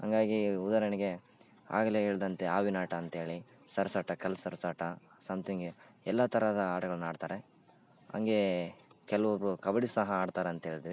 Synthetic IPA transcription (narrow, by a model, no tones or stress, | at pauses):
ɦɐ̰ŋɡaːɡiud̪aːɾɐnɛɡe̞ | a̰ːɡɐleɦeːɭid̪ɐnt̪eaːʋinaːʈɐːnt̪ɐe̞ːɭi | sɐɾsaːʈːɐkɐlɐsɐɾɐsaːʈɐ | sɐmt̪iŋɡeɛlːat̪ɐɾɐd̪ɐaːʈɐɡɐɭɐnaːɖt̪aːɾe | ɐ̰ŋɡe̞kɛlɐʋɐbɾukɐbɐɽisɐɦɐaːɖt̪aːɾeɐnt̪ɐɦeːɭit̪iʋi